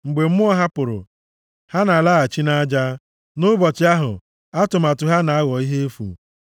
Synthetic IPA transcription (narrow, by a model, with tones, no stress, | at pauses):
ŋ͡m̩˨ɡ͡be˨m̩˦mʊ˦ɔ˦ɦa˦pʊ˨ɾʊ̰˨ | ha˦na˨la˦a˨t͡ʃi˦na˦d͡ʒa˦ | nʊ˦bɔ˨t͡ʃɪ˨˦a˦ɦʊ̰˨ | a˦tʊ˨ma˨tʊ˨ɦa˦na˨a˦ɣɔ˨i˦ɦe˦e˦fṵ˨